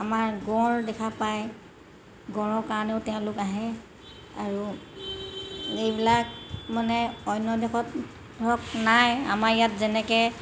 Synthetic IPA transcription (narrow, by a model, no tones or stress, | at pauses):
amaɹɡɔ̃ɹdɛkʰapaj | ɡɔ̃ɹɔkaɹneʊtɛʊ̃lʊkaɦɛ | a̰ɹu | ejbilak̚manɛɔjnːɔdɛxɔt̚ | ɹɔk̚naja̰maɹjatzɛnɛkɛ